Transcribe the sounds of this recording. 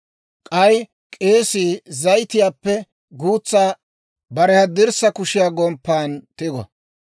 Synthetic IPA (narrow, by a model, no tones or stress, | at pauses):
kʼɐj | kʼe̞ːsiːzɐjt̪ɪjaːpːɛ | ɡuːt͡sːaː | bɐɾɛhɐd̪ɪɾsɐkʊʃɪjaːɡɔmpːaːnt̪ɪɡɔ̰